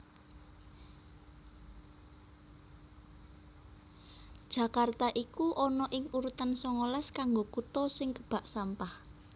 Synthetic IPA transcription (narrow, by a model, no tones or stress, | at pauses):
d̥ʒ̥ä̤kart̪aʔikuʔɔnɔʔɪŋuɾut̪ansɔŋolɛskaŋɡokut̪ɔsɪŋkəb̥a̤ʔsampah